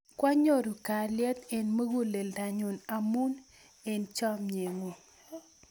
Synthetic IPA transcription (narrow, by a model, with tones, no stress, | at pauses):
kwa˦ɲo˦˨ɾo˨ka˨lɪ˦ɛ˦t̪e˨nmə˦ɡu˦le˨lda˨ɲu˨na˨mu˦n | e˨nt͡ʃɔ˦mɲe˨ŋo˨